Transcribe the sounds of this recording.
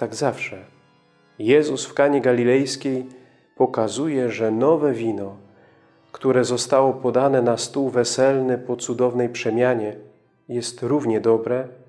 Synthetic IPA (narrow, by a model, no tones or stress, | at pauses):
t̪aɡzafʂɛ | jɛzusfkaɲɛɡalʲilɛjskʲej | pɔkazujɛʐɛnɔvɛvʲinɔ | kt̪uɾɛzɔst̪awɔpɔd̪anɛnast̪uwvɛsɛlnɘpɔt̪sud̪ɔvnɛjpʂɛmʲjaɲɛ | jɛst̪ɾuvɲɛd̪ɔbɾɛ